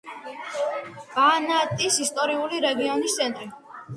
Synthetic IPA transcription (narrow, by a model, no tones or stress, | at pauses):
b̥anat̪ʼisist̪ʼɔɾiuliɾɛɡiɔnist̪sʰɛnt̪ʼɾi